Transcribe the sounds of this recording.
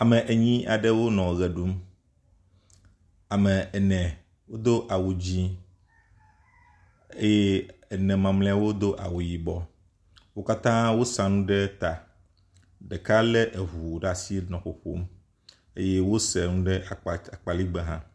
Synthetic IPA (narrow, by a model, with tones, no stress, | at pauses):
a˨mẽ˨ʔe˨ɲĩ˦a˨ɖe˦wo˦nɔ̃˨ɣɛ˨ɖu˦m | a˨mɛ˨ɛ˨nɛ̃˨ | wo˦d̪o˦ʔa˨wu˨d͡ʑi˦ | e˦je˦e˨nɛ̃˨mã˨mlẽ˦a˨wo˦d̪o˦ʔa̰˨wu˨ji˨bɔ˦ | wo˦ka˦t̪ã˦wo˦sã˨nũ˦ɖɛ˦t̪a˨ | ɖɛ˨ka˦lɛ˦ʔe˨ɦu˨ɖa˨si˦nɔ̃˨ɸo˨ɸo̰˦m | e˦je˦wo˦sɛ˨nũ˦ɖɛ˦a˨a˨k͡pa˨li˦ɡ͡bɛ˨ɦã˦